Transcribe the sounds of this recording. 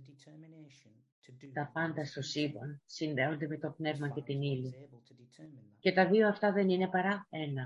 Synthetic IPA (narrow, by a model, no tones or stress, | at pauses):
t̪ɐpɐnd̪ɐst̪o̞sivɐnsinðe̞o̞nd̪e̞me̞t̪o̞pne̞vmɐce̞t̪inili | ce̞t̪ɐðio̞ɐft̪ɐðe̞nine̞pɐɾɐe̞nɐ